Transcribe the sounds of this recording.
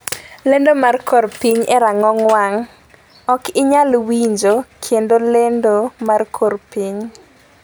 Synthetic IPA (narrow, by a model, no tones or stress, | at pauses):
lendomarkʰorpiɲɛɾaŋɔŋwaŋ | ɔkɪɲalwiɲd͡ʒokʰendolendomarkʰorpiɲ